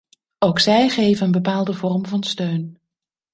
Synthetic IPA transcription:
owksɛjχejvənənbəpaːlˠdəvɔrmvɑnstøɥn

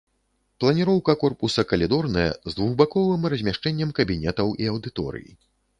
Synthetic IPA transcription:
plˠɐnʲiɾɔwkɐkɔrpusɐkɐlʲid̪ɔrnɐjɐ̰zd̪vuɣbakɔvɨmrɐzʲmʲaʂt͡ʂɛnʲːɛmkɐbʲinʲɛt̪ɐwʔiɐwd̪ɨt̪ɔ̰ɾɨ̰jḭ

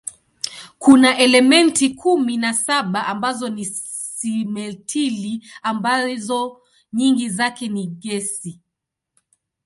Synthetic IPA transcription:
kunaʔɛlɛmɛntikʰuminasaɓaʔambazɔni | simɛtʰiliambazɔ | ɲiŋɡizakɛniɠɛsi

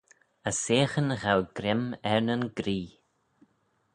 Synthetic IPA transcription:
əseːxənəɣawɡ̥ɾɪmɛɹnənɡɾiː

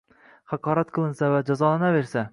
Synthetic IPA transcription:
χɑqʰɒːɾat̪̚qʰɨlˠɨnsavad͡ʒazɒlˠanave̞ɾsa

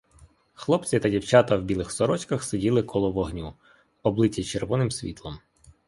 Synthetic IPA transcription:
xlˠɔpt͡sʲit̪ɐdʲiwt͡ʃɑt̪ɐwbʲilˠɪxsɔɾɔt͡ʃkɐxsedʲilˠɪkʰɔlˠɔʋɔɦnʲu | ɔblˠɪtʲːit͡ʃeɾʋɔnɪmsʲʋʲḭt̪lˠɔm

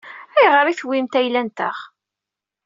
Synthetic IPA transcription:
æjʁəɾiθwimt̪æjlænt̪ə̰χ

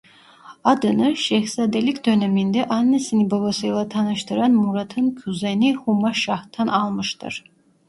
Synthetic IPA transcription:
ad̪ɯnɯʃɛhsad̪elikʲd̪ønɛmind̪ɛʔanːesinibabasɯjlˠat̪ʰanɯʃt̪ɯɾɑnmuɾat̪ʰɯnkʲʰuzenihumaʃɑht̪ʰːanʔɑlˠmɯʃt̪ɯ̰ɾ̥

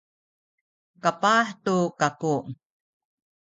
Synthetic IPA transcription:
kapaħtukaku

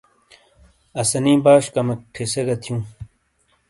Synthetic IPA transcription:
ɐsɐnĩːbaːʂkɐmɐk̚ʈʰeseɡɐt̪ʰjũː

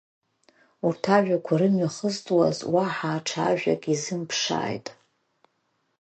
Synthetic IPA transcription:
urtʰaʒᶣakʷʰaɾɨmɥaχəztʼwa̰zwaħaːʈ͡ʂʰaʒᶣa̰kʼizɨmpʰʂa̰ːjtʼ

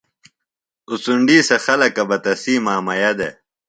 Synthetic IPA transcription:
ut͡suɳɖiːsɐxɐlɐkɐbɐt̪ɐsiːmaːmɐjɐd̪e

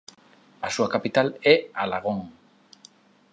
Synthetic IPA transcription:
asuakapit̪alealaɣoŋ

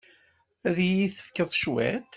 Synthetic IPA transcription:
æðjiθə̥fkəðˤʃwæ̰t̪

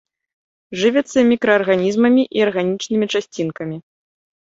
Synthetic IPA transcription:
ʐɨvʲɛt̪sːɐmʲikɾɐːrɣanʲizmɐmʲiʔiɐrɣanʲit͡ʂnɨmʲit͡ʂasʲt͡sʲinkɐmʲi

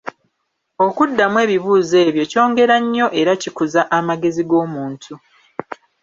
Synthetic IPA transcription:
o̞kudːamwe̞ːβiβuːze̞ːβjo̞co̞ːŋɡe̞ɾaɲːo̞ʔe̞ɾacikuzaʔamaɡe̞ziɡo̞ːmuːntʰu

